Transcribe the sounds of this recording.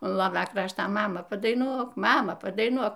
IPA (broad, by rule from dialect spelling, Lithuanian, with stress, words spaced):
ʊn ˈlˠoːʋʲɛ ˈkrɑːʃtɐ ˈmɑːmɐ pɐdɐɪˈnuɔk ˈmɑːmɐ pɐdɐɪˈnuɔk